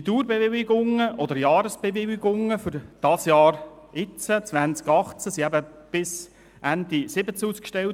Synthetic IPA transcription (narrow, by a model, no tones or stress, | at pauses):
it̪uːɾbevɪlɪɡʊŋəʔɔd̪əɾjɑːɾəsb̥eʋɪlɪɡʊŋːəfʏɾd̥ɑsjɑːɾɪt͡sət͡sʋænt͡skɑχt͡səsiæbəb̥ɪs | ʔænd̥̪isɪbət͡suːskʃtɛl